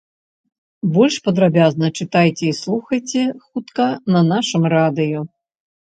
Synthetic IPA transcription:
bɔlʲʂpɐd̪ɾabʲaznɐt͡ʂɨt̪ajt͡sʲɛislˠuxɐjt͡sʲɛxut̪kɐnɐnaʂɨmrad̪ɨjɔ

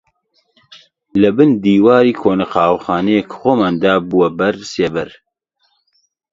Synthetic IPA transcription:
lɨbɨnd̪iːwaːɾiːkʰoːnɐqɑːwxɑːnɛjekʰxoːmand̪aːbuwɛbɐɾsebɛɾ

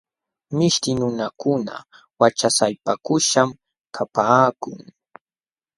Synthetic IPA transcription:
mɪʃt̪ɪnʊnakʊna̰ | wat͡ʃasajpakʊʃam | kʰapaːkʊŋ

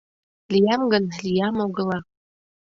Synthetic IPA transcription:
lijamɡɨnlijamoɡɨla

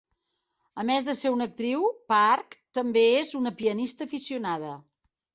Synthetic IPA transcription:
əmɛzðəseɾunək̚t̪ɾiwpaɾkt̪əmbeezunəpiənist̪əːfisiunaðə

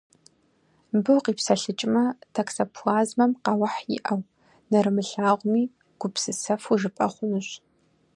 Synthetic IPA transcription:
bɨwqiːpsɐɬɨt͡ʃʼmɐtʰɐksɐpʰuaːzmɐmqɑwɐħjɪ̰ʔɐw | nɐɾɨmɨɬaːʁʷʊmiː | ɡ̥ʷʊpsɨsɐfuʒɨpʼɐχʷʊnɨɕ

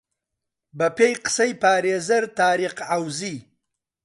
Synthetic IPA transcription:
bapejqsajpɑːɾezɐɾt̪ɑːɾiqawzi

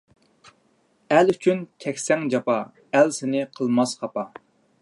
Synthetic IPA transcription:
ælyt͡ʃʰynt̪ʲʰɛkʲsɛŋd͡ʒɑpɑ | ælsɪnɪqʰəlˠmɑsχɑpɑ

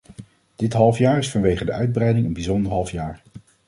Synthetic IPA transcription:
d̥ɪtɦɑlˠfjaːɹɪsfɑnʋejχədəʔœɥd̚brɛjdɪŋənbizɔndəɹɦɑlˠfjaːɹ

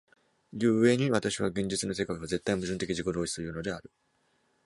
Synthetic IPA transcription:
jɯ̟ːɯe̞ɲ̟iβat̪aɕiβ̞aɡẽ̞ɲ̟d͡ʑit͡sɨno̞s̬e̞kaiβoze̞t̪ːaimɯʑɨ̃nt̪e̞kʲiʑiko̞d̪o̞ːɕi̥sɨjɯ̟ːno̞d̪e̞aɾɯ̟

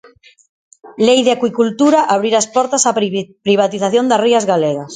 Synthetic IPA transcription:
lejðeakwikult̪uɾaʔaβɾiɾaspɔɾt̪asapɾiβ̞at̪iθaθjond̪ariazɣaleɣas

